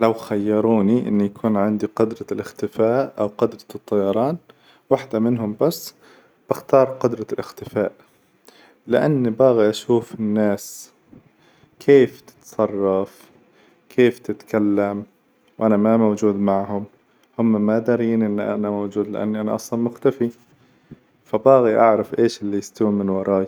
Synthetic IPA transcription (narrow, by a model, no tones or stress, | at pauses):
lawxajːɑɾˤuːniʔɪ̰nːijakʰuːnʕɪnd̪iqʊd̪ɾˤɑlʔɪxt̪ɪfaːʔʔawqʊd̪ɾˤɑ̥t̪ˤːɑjɑɾˤɑːn | waħd̪amɪnɦʊmbasː | b̥ɪxt̪ɑːɾˤqʊd̪ɾˤɑlʔɪxt̪ɪfaːʔ | lɪʔanːibaːɣaʔaʃuːfɪnːaːs | kʰeːft̪ɪ̥t̪sˤɑrˤːɑf | kʰeːft̪ɪt̪kalːam | wʔanamamawd͡ʒuːd̪maʕhʊm | hʊmːamad̪ɑɾiːnʔɪnːʔa̰namawd͡ʒuːd̪lɪ̰ʔa̰nːiʔanaʔɑsˤlɑnmʊxt̪afi | fabaːɣiʔaʕɾˤɑfʔeːʃɪlːijɪst̪awimɪnwɑɾˤɑːj